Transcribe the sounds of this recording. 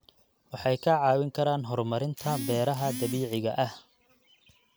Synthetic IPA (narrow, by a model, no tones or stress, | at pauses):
wɑħɑjkʰɐʕɑːwɪŋkʰɐɾaːnɦɔrmɐɾɪnt̪ʰɐbɛːɾɐɦɐd̪ɐβiːʕɪɣɐʔɐh